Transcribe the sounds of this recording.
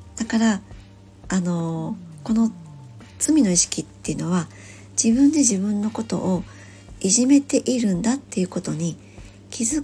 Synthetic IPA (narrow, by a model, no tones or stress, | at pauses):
d̪̥akaɾa | ano̞ko̞no̞ | t͡sɨmʲino̞iɕi̥kʲit̪ːe̞iɯ̟no̞βa | d͡ʑ̥ibɯ̟̃nd̪e̞ʑibɯ̟̃nːo̞ko̞t̪o̞̰ʔo | iʑime̞t̪e̞ʔiɾɯ̟̃nd̪at̪ːe̞jɯ̟ko̞t̪o̞ɲ̟i | kʲʰizɨ